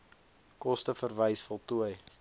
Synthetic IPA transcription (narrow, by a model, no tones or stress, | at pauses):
kɔstəfərvəjsfɔlˠtuəj